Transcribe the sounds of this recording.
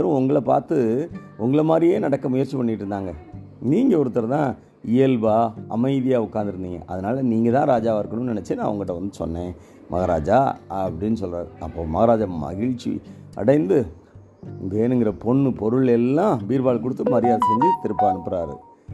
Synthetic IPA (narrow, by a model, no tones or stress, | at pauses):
ɐɾʊ̃ʊŋɡɐɭɐpa̰ːɾt̪ɯʊŋɡɐɭɐmaːd̪ɾijeːnɐɽɐkːɐmʊjɐɾt͡ʃipɐɳːɪʈːɯɾɯnd̪aːŋɡɐ | niːŋɡɐɔɾɯt̪ːɐɾɐt̪ãː | ɪjɛlʋaːɐ̰mɐɪðijaːʊkːaːnd̪ɪɾɯnd̪iːŋɡɐ̰ʔɐðɐnaːlɐniːŋɡɐt̪ãːɾaːd͡ʒaːʋɪɾɯkːɐɳɯmnnɛnɛt͡ʃːɯnã̰ːɐʋɐŋɡɐʈːɐʋɐnd̪ɯsɔ̰nːẽː | mʔɐ̰ɣɐɾa̰ːd͡ʒaːɐpːɐɽɪnːɯsɔlraːɾɯɐpːoːmɐɣɐɾaːd͡ʒamɐ̰ɣɪɻt͡ʃːḭ | ɐ̰ɽɐɪnd̪ɯ | ndeːnɯŋɡɪɾɐpɔɳːɯpɔɾɯɭɛlːãːbiːɾbaːɭkɔɽɯt̪ːɯmɐɾɪjaːðsɛɲd͡ʒit̪ɪɾɯpːɐɐɳɯpːɯɾaːɾɯ̰